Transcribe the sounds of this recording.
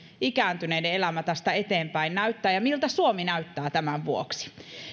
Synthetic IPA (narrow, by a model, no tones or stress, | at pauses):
ikæːnt̪yneideelæmæt̪ɑst̪æet̪eːmpæinnæyt̪ːæːjɑmilt̪æsuominæyt̪ːæːt̪æmæʋʋuoksi̥